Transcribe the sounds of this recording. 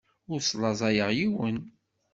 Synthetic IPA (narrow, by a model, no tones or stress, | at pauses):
ʊɾsˤlˤɑzˤɑjəʁjiwən